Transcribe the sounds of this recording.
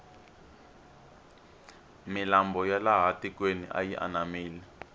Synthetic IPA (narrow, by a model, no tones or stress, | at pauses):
milambɔjalaɦatikwenḭʔa̰jiʔa̰namiːlɛ